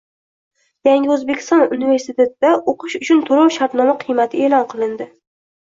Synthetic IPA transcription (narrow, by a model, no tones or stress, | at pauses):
jaŋʲɪɵzbekʲʰɪ̥st̪ɒnʊnive̞ɾsɪt̪ʰe̞t̪d̪aʔoqʰɨʃʊt͡ʃʰʊnt̪ʰoɾawʃaɾt̪nɒmaqʰɨjmat̪ʰɪeːlˠɒnqʰɨlˠɪnd̪ɪ